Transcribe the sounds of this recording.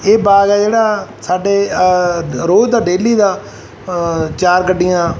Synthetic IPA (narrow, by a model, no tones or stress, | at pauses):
eːbaːɡɛːd͡ʒeːɽaːsaːɖeː | ɾoːd͡ʒd̪aːɖeːliːd̪aː | t͡ʃaːɾkəɖɪjãː